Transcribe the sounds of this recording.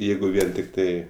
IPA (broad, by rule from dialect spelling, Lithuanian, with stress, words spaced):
ˈjɛɪɡʊ ˈʋʲiɛn tʲɪkˈtɐɪ